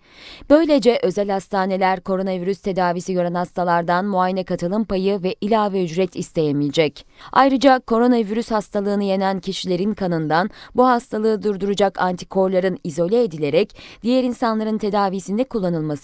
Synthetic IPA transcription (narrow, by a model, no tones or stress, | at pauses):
b̥ø̞jlʲe̞d͡ʒɛʔø̞zælʲhast̪ʰaːne̞lʲæɾkʰo̞ɾo̞naviɾyst̪ʰe̞d̪aːvisijø̞ɾænhast̪ʰalˠaɾd̪anmuaːjenɛkat̪ʰɯlˠɯmpajɯvɛʔilʲaːvɛyd͡ʒɾɛt̪ʰist̪ʰe̞jemilʲd͡ʒɛcajɾɯd͡ʒakʰo̞ɾo̞naviɾyshast̪ʰalˠɯːnɯje̞næncʰiʃilʲe̞ɾinkʰanɯnd̪anbuɦast̪ʰalˠɯːd̪uɾd̪uɾud͡ʒakʰant̪ʰi̥kʰo̞ɾlˠaɾɯnizo̞lʲeːd̪ilʲe̞ɾɛcd̪̥ijɛɾinsanlˠaɾɯnt̪ʰe̞d̪aːviːsind̪ɛkulˠːanɯlˠmas